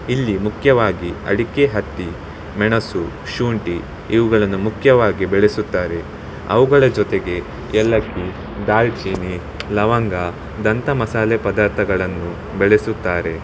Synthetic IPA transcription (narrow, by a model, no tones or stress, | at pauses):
ilːimukʰjɐʋaːɡiɐ̰ɽikeɦɐt̪ːi | mɛɳɐsu | ʃuːɳʈiː | ʋuɡɐɭɐnːumukʰjɐʋaːɡibɛɭesut̪ːaːɾe̞ | ɐ̰ʋuɡɐɭɐd͡ʒɔt̪eɡe̞ | ɛlːɐkːi | d̪aːlt͡ʃiːni | lɐʋɐŋɡa | d̪ɐnt̪ɐmɐsaːlepɐd̪aːɾt̪ʰɐɡɐɭɐnːu | bɛɭesut̪ːaːɾe̞